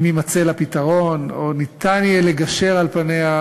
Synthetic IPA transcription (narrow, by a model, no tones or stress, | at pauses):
mimat͡selapit̪aʁo̞nonit̪anjeleɡaʃe̞ʁalpanea